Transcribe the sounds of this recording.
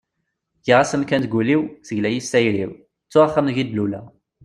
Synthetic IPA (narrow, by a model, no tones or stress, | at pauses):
jəʁasəmkænt̪ɡʷuliwθəʝlæjisæjɾḭw | t͡sːʊʁaχːəmʝid̪lulæ̰